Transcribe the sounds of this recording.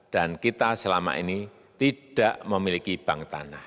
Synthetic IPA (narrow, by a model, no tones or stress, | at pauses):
d̥ankit̪asəlama̰ʔḭni | t̪id̥aʔməmilikib̥aŋt̪a̰nah